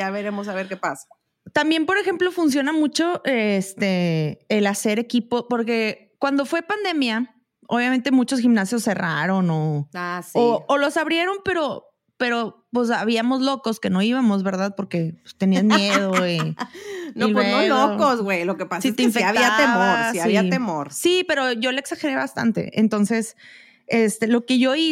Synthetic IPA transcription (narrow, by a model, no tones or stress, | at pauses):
jaβeɾemos̬aβeɾkepasḁ | t̪ambje̞mpo̞ɾe̞xe̞mplo̞funs̬jo̞namut͡ʃo̞ʔest̪e̞ːlase̞ɾe̞kipo̞po̞ɾke̞ | kwand̪o̞fwe̞pand̪e̞mja | o̰βjamẽnt̪emut͡ʃo̞s̬ximnasjo̞sːe̞raɾo̞noasoːlo̞saβɾje̞ɾo̞mpe̞ɾo̞ | pe̞ɾo̞pwes̬aβiamo̞zlo̞ko̞ske̞no̞iβamo̞zβe̞ɾðaðpo̞ɾke̞pe̥st̪e̞niazmjeð̞oi | noilweolokozɣwejlokepasasit̪eiɱfeaβiat̪emossiaββiat̪emoɾsipe̞ɾo̞ʝo̞leeksaxe̞ɾe̞βast̪a̰nt̪e̞̰ʔḛnt̪o̞nse̞s | e̞st̪e̞lo̞ke̞ʝoi